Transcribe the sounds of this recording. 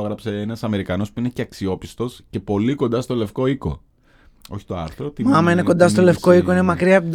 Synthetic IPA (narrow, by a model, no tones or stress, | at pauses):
oɣɾɐpse̞enɐsɐme̞ɾikɐno̞spuine̞ceɐksio̞pist̪o̞sce̞po̞liko̞nd̪ɐst̪o̞le̞fko̞iko̞̰ | o̞çi̥t̪o̞ɐ̰ɾθɾot̪imɐmɐine̞ko̞nd̪ɐst̪o̞le̞fko̞iko̞inemɐkɾiɐp̪